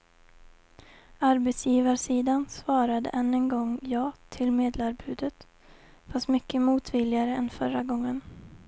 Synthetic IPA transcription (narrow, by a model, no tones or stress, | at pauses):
aɾbɛt̪sjiːvaʂiːd̪ansvɑːɾad̪ə̰ʔɛnːənɡɔŋjɑːt̪ʰɪlmeːd̪laɾbʉ̟ːd̪ət̪ | fast̪mʏkːəmuːt̪vɪlɪaɾəɛnfœɾaɡɔŋːən